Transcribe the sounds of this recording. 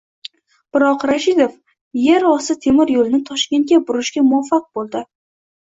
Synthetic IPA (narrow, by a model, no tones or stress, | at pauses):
b̥ɪɾɒqɾaʃɪd̪of | jeɾɒsɪt̪ʰe̞mɪɾjolɪnɪt̪ʰɒʃkʲent̪kʲabʊɾɪʃkʲamʊafːaq̚bolˠd̪ɪ